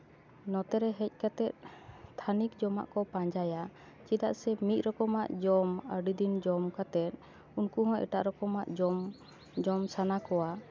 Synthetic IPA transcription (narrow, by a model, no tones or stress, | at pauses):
nɔt̪ɛɾɛɦɛc̚ˀkat̪ɛt̪̚t̪ʰanikd͡ʒɔma̰ʔkɔpãɲd͡ʒaja | t͡ʃid̪aʔsɛmit̪̚ˀɾɔkɔmaʔd͡ʒɔməɾɖid̪ind͡ʒɔmkat̪ɛt̪̚ | unkuɦɔ̃ʔɛ̰ʈa̰ʔɾɔkɔmaʔd͡ʒɔm | d͡ʒɔmsanakɔwa